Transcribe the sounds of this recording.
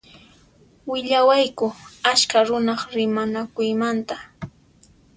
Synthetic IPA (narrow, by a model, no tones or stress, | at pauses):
wɪʎawajkʊaskaɾʊnɑχɾɪmanakʊjmant̪a